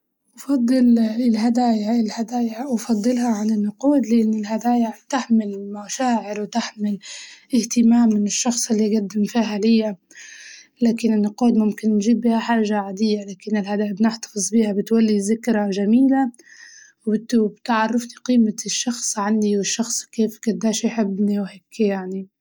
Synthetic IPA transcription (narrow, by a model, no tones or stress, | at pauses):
ʔɑfɑd̪ˤːɨlɪlɦad̪aːjaɪlhad̪aːjawfɑd̪ˤːɨlhɑʕanɪnːʊquːd̪lɪʔɪnːɪlɦad̪aːjat̪aħmɪlmaʃaːʕɪlwɪt̪aħmɪlɪht̪ɪmaːmːɪnɪʃːɑxsˤɪlːiaɡad̪ːɪmfiːɦalɪjːa | laːkɪnɪnːʊquːd̪mʊmkɪnːʒiːbihaħaːʒaʕad̪ɪjːalaːkɪnːɪlhad̪aːjabnɪħt̪ɑ̥fɨzˤbiːhabɪt̪walːizɪkɾaʒamiːla | wbɪt̪bt̪ʕɑrˤːɑfniqiːmaʃːɑxsˤʕand̪iwɪʃːɑxsˤkeːfɡʊd̪ːaːʃjħɪbːniwheːkːjaʕni